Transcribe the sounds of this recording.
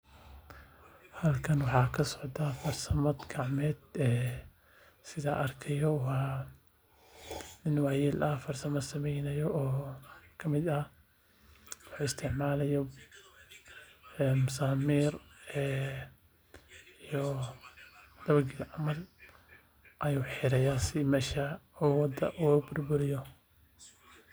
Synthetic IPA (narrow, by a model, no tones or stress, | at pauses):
halkɐnwʊħɑkɐsɔ̥ʕd̪afɑɾˤsɐmɐd̪ɡaʕmɛːd̪ɛ | sɪðaʔɐɾˤkʰɐjɔh | nɪnwaːjiːlʔafɑɾˤsɐmasɐmɛjnɐjɔʔɔːkʰɐmɪd̪ɐ | wɑħuːɪst̪ʰɪʕmaːlɐjɔ | msaːmiːrɛː | ijɔ | d̪̥ɐβɐɡɪlʕɑmɐl | ʔɐjuːħɪɾɛjaːsɪmɛːʃɐuːwɑd̪ɐ̰ʔuːbʊrbʊɾɪjɔ